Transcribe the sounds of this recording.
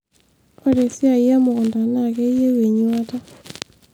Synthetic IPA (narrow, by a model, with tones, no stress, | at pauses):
ɔ˨ɾe˨sja˨i˦a˦mo˨ɣo˨nda˨na˨ke˦ie˦we˨ɲwa˦ta˦